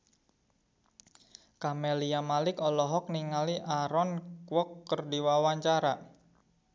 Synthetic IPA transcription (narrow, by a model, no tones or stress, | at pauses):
kameliamalɪkɔlɔɦɔk̚niŋaliʔaɾɔnkwɔkːərdiwawaɲt͡ʃaɾa